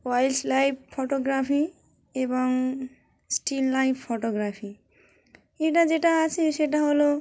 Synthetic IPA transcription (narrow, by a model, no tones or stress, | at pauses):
wajlslajbfoʈoɡɾafi | eboŋ | sʈillajffoʈoɡɾafi | eʈad͡ʑeʈaat͡ɕʰeʃeʈaɦolo